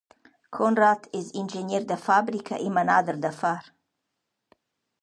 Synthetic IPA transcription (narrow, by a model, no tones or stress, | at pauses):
kʰɔnrat̪ʰɪzind͡ʒeniɾd̪əfabɾikʰa̰ʔimanad̪əɾd̪əfaɾ